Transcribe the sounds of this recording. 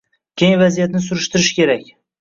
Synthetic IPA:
kʲʰejŋvazijat̪nɪs̬ʊɾɪʃt̪ɪɾɪʃɪ̥kʲʰe̞ɾakʲ

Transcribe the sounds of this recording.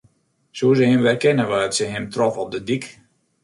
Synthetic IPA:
suəzəɦɪmʋɛrkɪnəʋaːətsəɦɪmtrɔfɔp̚dədik

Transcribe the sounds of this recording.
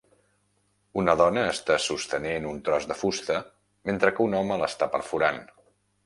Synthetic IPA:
unəðɔnəːst̪asust̪ənenunt̪ɾɔzðəfust̪ə | ment̪ɾəkəunɔmələst̪apəɾfuɾan

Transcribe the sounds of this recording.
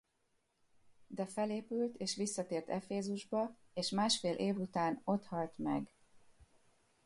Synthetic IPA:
d̪ɛfɛleːpylt̪ʰeːʃʋisːɒt̪eːrt̪ɛfeːzuʒbɒ | eːʃmaːʃfeːlʔeːvut̪aːno̞t̪hɒlt̪mɛ̰ɡ

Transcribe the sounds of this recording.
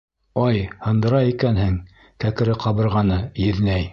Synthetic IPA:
ɑjhɤ̆nd̪ɤ̆ɾɑikænhɘŋ | kækɘ̆ɾɘqɑβɤ̆ɾʁɑnɤjɘ̆ðnæj

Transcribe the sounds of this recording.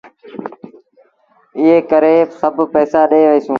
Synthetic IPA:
ɪɦeːkəɾeːsəbʱpɛːsaːɗeːʋəiːsũː

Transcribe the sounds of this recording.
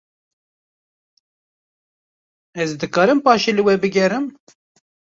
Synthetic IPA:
ɛzd̪ɨkɑːɾɨmpɑːʃeːlɨwɛbɨɡʲɛɾɨm

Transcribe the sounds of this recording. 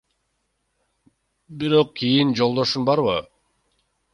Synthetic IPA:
biɾo̞q̚kʲʰijind͡ʒo̞lˠd̪o̞ʃunbɑɾβɯ

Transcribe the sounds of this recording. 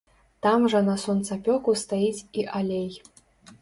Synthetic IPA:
t̪amʐɐnɐsɔnt̪sapʲɔkust̪ajit͡sʲiʔalʲej

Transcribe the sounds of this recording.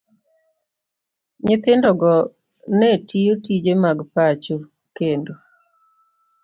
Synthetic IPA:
ɲɪt̪ɪndɔɡɔ | netijotid͡ʒemaɡpat͡ʃo | kendo

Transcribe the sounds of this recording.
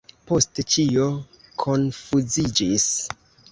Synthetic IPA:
po̞stet͡ʃio̞ | kʰo̞nfuzid͡ʒis

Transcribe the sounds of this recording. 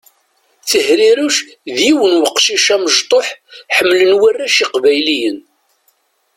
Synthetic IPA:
θəhɾiɾuʃ | ðiwənwəqːʃiʃæməʒt̪ˤoħħəmːlənwərːæʃiqvæjlijən

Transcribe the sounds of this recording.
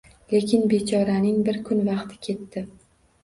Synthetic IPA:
le̞kʲɪnbe̞t͡ʃʰɒɾanɪŋbɪɾkʰʊnvɑqt̪ʰɪ̥kʲʰe̞t̪ːɪ

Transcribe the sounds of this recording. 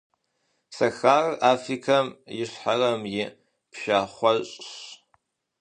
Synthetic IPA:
sɐxaːrʔaːfrikʰɐmjɪɕħarɐmjɪ | pʰʃaːχʷɔɕʼɕ

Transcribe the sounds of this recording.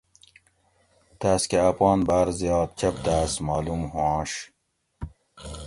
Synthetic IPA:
t̪aːskeapʁɑːnbaːɾzjɑːt̪̚t͡ɕʰɐp̚t̪aːsmɑːlumhuɑ̃ːɕ

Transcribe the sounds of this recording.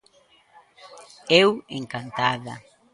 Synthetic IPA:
eweŋkant̪aða̰

